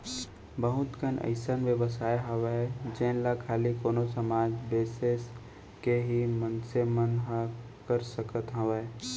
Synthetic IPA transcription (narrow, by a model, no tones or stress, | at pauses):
bəɦʊt̪kənʔə̰ɪsənʋjəʋəs̬aːeɦɐʋed͡ʒẽːnlakʰaːlikoːnosəmaːd͡ʒbeːses | keɦimənsemənɦa | kəɾsəkət̪ɦɐʋeː